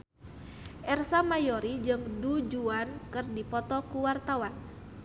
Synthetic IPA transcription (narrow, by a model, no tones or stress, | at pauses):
ʔɛrsamajɔɾid͡ʒɨŋdud͡ʒuankɨrdipɔt̪ɔkuwart̪awan